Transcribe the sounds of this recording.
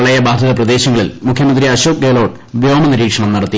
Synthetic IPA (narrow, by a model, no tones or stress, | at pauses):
ɭɐjɐbaːd̪ʱɐðɐprɐd̪e̞ːɕɐŋːɐɭilmukʰjɐmɐnd̪ɾiɐɕoːk̚ɡeːlo̞ːʈ | ʋjoːmɐniɾiːkʂɐɳɐmnɐɽɐt̪ːi